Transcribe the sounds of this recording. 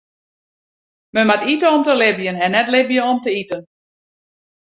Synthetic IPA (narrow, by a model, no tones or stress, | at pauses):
məmatitəɔmtəlɪbjənɛnːɛtlɪbjənɔmtəitən